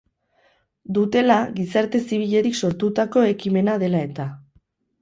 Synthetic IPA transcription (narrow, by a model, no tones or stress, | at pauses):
d̪ut̪e̞laɣisaɾt̪e̞siβ̞iʎe̞ɾikso̞ɾt̪ut̪ako̞e̞kime̞naðe̞lae̞t̪a